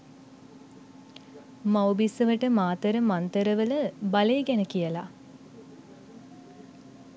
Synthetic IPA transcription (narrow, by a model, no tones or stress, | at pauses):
mawbisəʋəʈəmaːt̪əɾəmant̪əɾəʋələbaleːɡænəkijəla